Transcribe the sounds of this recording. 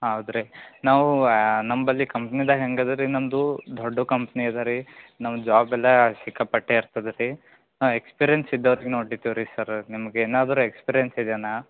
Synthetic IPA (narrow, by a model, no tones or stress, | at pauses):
ɦɐwd̪ɾenaːʋunɐmbɐlːikɐmpnid̪ɐɦeŋɡɐd̪ɐɾinɐmd̪ud̪ʱoɖːukɐmpniɐd̪ɐɾinɐmd͡ʒaːbɛlːɐsikːɐpɐʈːeiɾt̪ɐd̪ɐɾi | naːʋekspiɾijensid̪ːɐʋɐɾiɡenoːʈit̪iʋɾisɐɾnimɐɡeeːnaːd̪ɐɾuekspiːɾijensid̪jaːnaː